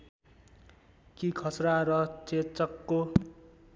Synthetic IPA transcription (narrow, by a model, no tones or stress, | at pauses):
kikʰʌsraɾʌt͡set͡sʌkːo